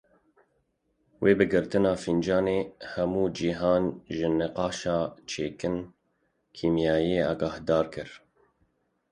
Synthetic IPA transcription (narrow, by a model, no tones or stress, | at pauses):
wʔeːbɨɡɨɾt̪ɨnɑːfind͡ʒɑːneːhɛmuːd͡ʒiɦɑːnʒɨnɨqɑːʃɑːt͡ʃʰeːkɨn | kʰiːmjɑːjeːɑːɡɑːhd̪ɑːɾkʰɨɾ